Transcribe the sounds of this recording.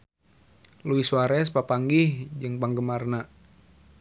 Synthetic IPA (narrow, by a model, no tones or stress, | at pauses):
luisuaɾɛspapaŋɡihd͡ʒɨŋpaŋɡəmarna